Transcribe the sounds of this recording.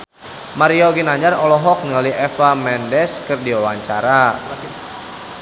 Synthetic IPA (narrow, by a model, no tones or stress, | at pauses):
maɾioɡinaɲd͡ʒarɔlɔɦɔk̚nilaliɛfamɛndɛskɨrdiwawaɲt͡ʃaɾa